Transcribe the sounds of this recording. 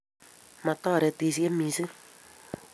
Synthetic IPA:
mã˨tɔ˦˨ɾɛ˨te˨si˦e˦mĩ˨sɨ˦

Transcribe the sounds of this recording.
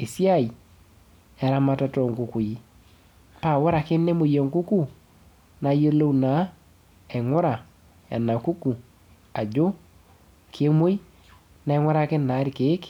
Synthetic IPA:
e˨sja˦˨j | ɛ˨ɾa˦ma˨ta˨˧tɔ˨ŋ˨ku˨ku˨ji˦ | pa˦˨wɔ˦ɾa˨ke˦nɛ˦mo˨jɔ˨ŋku˦ku˦ | na˨jo˦lo˦u˨na˨˦ | ɛ˨ŋɔ˦ɾa˨ | a̰˨na˨ku˦ku˨ | a˨d͡ʒo˦ | kʰe˦mo˦i˦ | na˨ɛ˦ŋwa˦ɾa˨ke˦na˨˦ɾi˨ke˨˦k

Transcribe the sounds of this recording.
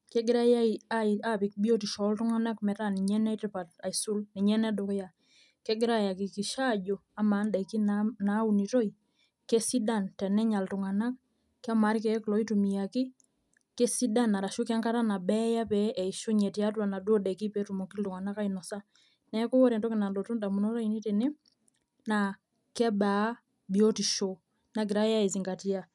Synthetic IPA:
kɛ˦ɡɪ˦ɾa˦ja˦ia˦ia˦pi˨k̚bi˦o˦ti˨ʃɔ˨˦ltʊ˦ŋa˦na˦kmɛ˨ta˦ni˨ɲɛ˦nɛ˦tɪ˨pa˨ta˨isu˦lni˨ɲɛ˦nɛ˦do˨kja˨ | ke˦ɡɪ˦ɾa˦ja˨ki˨ki˨ʃa˦d͡ʒo˨ | a˦ma˨˦nda˨ki˦nana˨˦u˨ni˨tɔ˦i | ke˦si˦da˨ntɛ˨nɛ˦ɲa˨ltu˨ŋa˨na˦k̚ː | a˦ma˨˦ɾkɛ˨˦klɔ˨˦i˦tu˨mi˨ja˨kɪ˦ | ke˦si˦da˦nːa˨ɾa˨ʃu˦ka˦ŋka˦ta˦na˨bɛ˦ja˦pɛʔɛ˨i˨ʃu˦ɲɛ˨ti˨a˦twa˨na˨do˦da˨ki˦pɛ˨˦tu˨mɔ˨ki˦ltu˨ŋa˨na˦ka˦inɔ˨sa˦ | nɛ˦ko˦wɔ˦ɾɛ˨ntɔ˦ki˨na˨ndɔ˨tu˦nda˨mu˨nɔ˦ɾa˦i˦ni˦te˨ne˦ | na˨ | kɛ˦ba˨˦ | bi˨o˦ti˨ʃo | na˨k̬i˨ɾa˦ja˦i˨zi˨ŋɡa˨ti˦a˨

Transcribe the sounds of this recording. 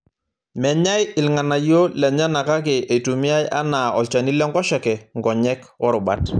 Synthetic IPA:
mɛ˨ɲa˦jɪ˨lŋa˨na˨jo˦lɛ˨ɲa˦na˨ka˦kɛ˨ʔe˨tu˨mi˦a˦ja̰˦na˨ɔ˨lt͡ʃa˨ni˦lɛ˦ŋɡɔ˦ʃɔ˨kɛ˨ŋɡɔ˨ɲɛ˦k | ɔ˦ɾʊ˨bat

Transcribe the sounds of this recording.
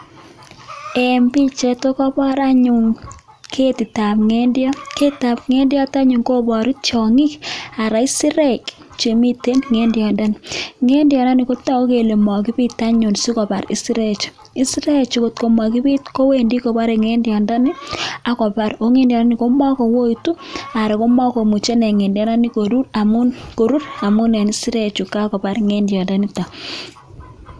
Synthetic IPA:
e˨mbi˦t͡ʃe˨to˦kɔ˦bɔ˦ɾa˦ɲu˨ŋ | kʰe˦ti˨ta˨pŋe˦ndjɔ˦ke˦ta˨pŋe˦ndjɔ˦ta˦ɲu˨ŋko˦bɔ˨ɾi˦t͡ʃɔ˨ŋi˦ka˨ɾa˨i˦si˦ɾe˦k | t͡ʃe˨mi˦te˦nŋe˦ndjɔ˨nda˦nŋe˦ndjɔ˨nda˦ni˨ko˦tɔ˦o˦ke˨le˨mɔ˨ki˦pi˦ta˦ɲu˨nsu˦kɔ˨pa˨ɾḭ˨si˦ɾe˦˨t͡ʃ | i˦si˦ɾɛ˦˨t͡ʃi˦ko˨tko˨ma˨ki˦pi˦tko˦we˦ndi˦ko˨ba˦ɾe˨ŋɛ˦ndjɔ˨nda˦ni˦a˨kɔ˨pa˨ɾo˨˦ŋe˦ndjɔ˨da˦ni˨ko˦ma˦kɔ˨wo˦i˨tu˦a˨ɾa˨ko˦ma˦ko˨mu˨t͡ʃe˦nɛ˨ŋe˨ndjɔ˦na˦ni˦ko˨ɾu˦ɾa˨mu˦nko˨ɾu˦ɾa˨mu˦nɛ˨ni˦si˦ɾɛ˦t͡ʃu˨ka˦kɔ˨pa˦ɾŋɛ˦ndjɔ˨nda˦ni˦ta˨

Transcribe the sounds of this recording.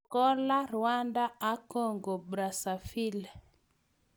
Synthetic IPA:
kɔ˦la˦ɾwa˦nda˦a˦kɔ˦˨ŋɡɔ˨bɾa˨sa˨fi˦l

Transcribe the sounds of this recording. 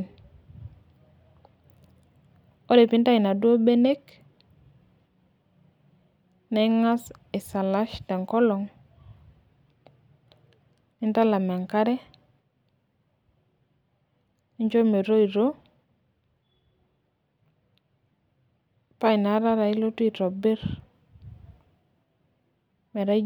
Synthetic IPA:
n | o˦de˨pi˦nta˦i˨na˨dwo˦be˦ne˦k | nɛ˦ŋa˦se˨sa˨la˦ʃtɛ˨ŋkɔ˦lɔ˨ŋ | ni˦nta˦la˨mɛ˨ŋka˦ɾɛ˦ | i˦ɲd͡ʒo˦me˨ɾo˦i˨ɾo˦ | pa˦i˨na˨˦ɾa˦ɾa˨i˦lo˦tu˦i˨ɾɔ˨bɪ˦ɾ | mɛ˨ɾa˦

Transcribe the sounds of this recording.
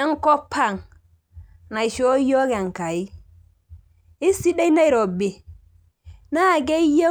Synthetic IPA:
a˦ŋko˦pʰːa˦˨ŋ | na˨i˨ʃo˦jo˦ɡe˨ŋka˨i˦ | i˦si˦da˦i˦na˦i˨ɾo˨be˨ | na˦˨ɡe˦je˦

